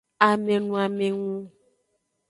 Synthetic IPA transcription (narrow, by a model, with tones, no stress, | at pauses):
a˨mẽ˨nũ˨a˨me˨ŋũ˦